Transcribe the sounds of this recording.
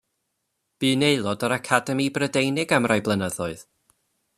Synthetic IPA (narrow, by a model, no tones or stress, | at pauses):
b̥iːneɨlˠɔdəɾakʰadɛmibrədejnɪɡamrajblˠənəðɔɨð̥